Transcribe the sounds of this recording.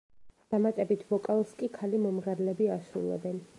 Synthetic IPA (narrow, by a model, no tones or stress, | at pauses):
d̪̥amat̪ʼɛbit̪ʰvɔkʼalˠskʼikʰalimɔmʁɛɾlɛbiaʃɾṵlˠɔ̰bɛn